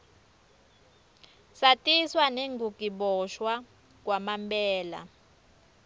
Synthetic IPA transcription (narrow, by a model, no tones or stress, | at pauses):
satʼiswaneŋɡuk̬ʼiɓɔʃwa | k̬wamambɛːla̰